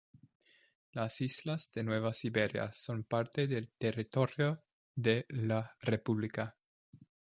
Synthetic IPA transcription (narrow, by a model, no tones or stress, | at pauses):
lasizlazd̪enweβasiβeɾja̰sonpaɾt̪eðelt̪erit̪oɾjo | ðelarepuβlika